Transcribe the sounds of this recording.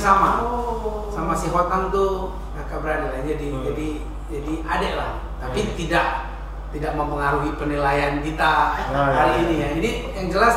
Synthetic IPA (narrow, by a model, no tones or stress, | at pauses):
sama | samasiɦwat̪ant̪u | nakabəɾadalad͡ʒadid͡ʒadi | d͡ʒadiadalah | t̪apit̪idaʔ̚ | t̪idaʔməmpəŋaɾuɦipənilajankit̪akaliːnijad͡ʒadi | jaŋd͡ʒəlas